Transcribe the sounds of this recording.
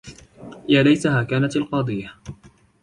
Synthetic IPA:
jaːlajsaɦaːkaːnat̪alqɑːd̪ˤɨjːa

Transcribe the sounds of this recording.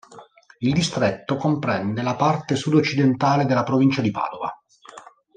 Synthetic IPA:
ild̪ist̪ɾet̪ːokompɾɛnd̪elapart̪esud̪ot͡ʃːid̪ent̪aːled̪elːapɾovint͡ʃad̪ipa̰ːd̪ova̰

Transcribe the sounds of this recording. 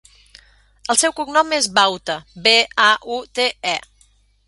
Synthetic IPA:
əlˠsɛwkuɡnɔmezβawt̪əbeaʔut̪eɛ

